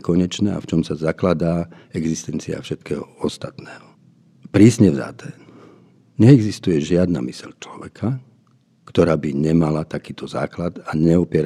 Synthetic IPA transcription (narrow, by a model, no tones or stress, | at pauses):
kɔɲɛt͡ʃnɛa̰ft͡ʃɔmsazaklad̪aː | ɛɡzist̪ɛnt͡sia̰fʃɛt̪kɛːɦɔ̰ɔst̪at̪nɛːɦɔ | pɾiːsɲɛvza̰t̪ɛː | ɲɛɛɡzist̪ujɛʒɪad̪na̰misɛʎt͡ʃlɔʋɛkʰa | kt̪ɔɾaːbiɲɛmalat̪akiːt̪ʰɔza̰ːklad̪aɲɛɔpɪɛɾ